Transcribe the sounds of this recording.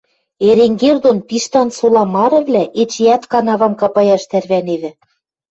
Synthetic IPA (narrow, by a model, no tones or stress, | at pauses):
eɾeŋɡerd̪onpiʃt̪ɑnsolˠɑmɑɾɤ̆βlʲæʔet͡ɕjæt̪kɑnɑβɑmkɑpɑjɑʃt̪ærβæneβɘ̆